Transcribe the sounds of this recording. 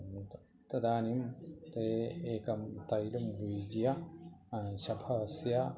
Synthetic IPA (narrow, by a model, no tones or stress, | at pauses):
t̪ | t̪ɐd̪aːnimt̪eeːkɐmt̪ɐjlumʋiːd͡ʒjɐ | ɕɐbʱɐsjɐ